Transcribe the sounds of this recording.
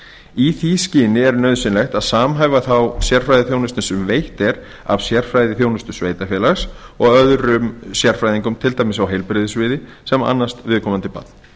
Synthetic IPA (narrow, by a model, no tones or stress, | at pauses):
iθiscɪːnɪɛɾnœːɥðsɪnlɛxt̪aðsaːmɦajvaθawsjɛr̥fɾajðɪθjownʏst̪nɪsʏmvejht̪ɛɾ | a̰vsjɛr̥fɾajðɪθjoːwnʏst̪ʏsveːjt̪afjɛːlaxs | ɔɣœðɾʏmsjɛɾ̥fɾajðiŋkʏmt̪ʰɪlt̪aːjmɪsawɦejlpɾɪðɪsvɪːðɪ | sɛma̰nːast̪vɪðkʰɔːmant̪ɪpa̰t̪̚n